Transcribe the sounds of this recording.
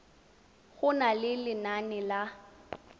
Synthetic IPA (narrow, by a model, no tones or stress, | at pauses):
ɣʊnalɪlɪnanɪla